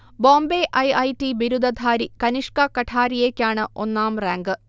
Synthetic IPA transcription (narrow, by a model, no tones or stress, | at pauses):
bo̞ːmbeʔɐjɐjtibiɾud̪ɐd̪ʱaːɾikɐniʂkɐkɐʈʰaːɾijeːkʲːaːɳɨʔo̞̰nːaːmraːŋɡɨ